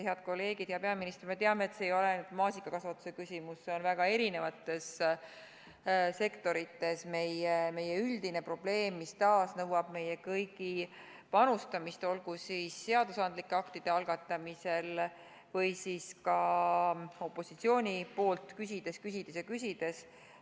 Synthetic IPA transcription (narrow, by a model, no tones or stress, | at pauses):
heɑd̪̥̚ko̞lːe̞ːɡ̥id̪̥hjɑpe̞ɑminist̪rme̞t̪eɑmeːt̪se̞ːjo̞lenud̪̥mɑːsikːˑɑkɑsvɑt̪ːˑuse̞kysʲimusːe̞o̞nvæɡ̥ɑe̞ɾine̞vɑt̪ːˑe̞s | se̞kt̪o̞ɾit̪ːˑe̞sme̞jeme̞jeyld̪̥ine̞pro̞b̥le̞ːmːist̪ɑːsnɤwɑb̥me̞jɛkɤjɡi | pɑnust̪ɑmist̪o̞lɡ̥usiːsːe̞ɑd̪̥usɑnd̪likːeɑkt̪id̪̥e̞ɑlɡɑt̪ːˑɑmise̞l | vɤjsiːskɑ | o̞pːˑo̞sit̪sio̞ːnʲipo̞ːlt̪kysʲid̪̥e̞skysid̪̥esjɑkysʲid̪̥e̞s